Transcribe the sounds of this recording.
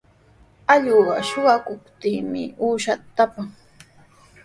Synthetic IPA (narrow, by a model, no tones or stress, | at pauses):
aʎoɢɑ̰ʃʊɢakʊpt̪iːmɪ̰uːʃat̪ːapaŋ